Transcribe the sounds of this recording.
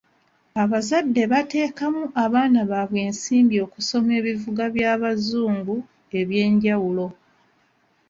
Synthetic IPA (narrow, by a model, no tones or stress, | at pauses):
aβazadːe̞βate̞ːkamuʔaβaːnaβaβwe̞ːnsiːmbjo̞ːkuso̞me̞ːβivuɡaβjaːβazuːŋɡu | e̞βje̞ːɲɟawulo̞